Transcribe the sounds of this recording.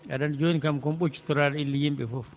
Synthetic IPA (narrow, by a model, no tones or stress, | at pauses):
a̰ɗand͡ʒoːnikamkɔmɓot͡ʃːi̥tɔɾaːɗɛilːijimɓɛfɔf